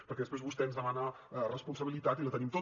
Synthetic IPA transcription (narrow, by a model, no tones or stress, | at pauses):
pəɾkɛðəspɾezβust̪ɛənzðəmana | rəspunsəβilit̪at̪ilət̪ənimt̪o